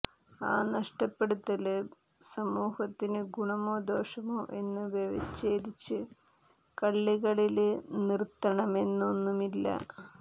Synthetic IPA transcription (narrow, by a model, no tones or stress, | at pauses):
a̰ːnɐʂʈɐpːe̞ɽut̪ːɐl | sɐmuːhɐt̪ːinɨɡuɳɐmoːd̪o̞ːʂɐmoːʔe̞nːɨʋeʋɐt͡ɕːeːd̪it͡ɕːɨ | kɐɭːiɣɐɭilnirt̪ːɐɳɐme̞nːo̞nːumilːɐ̰